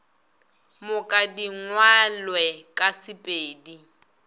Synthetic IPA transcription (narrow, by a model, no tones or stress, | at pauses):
mʊkʼadiŋwalwɛkʼasɪpʼeːdi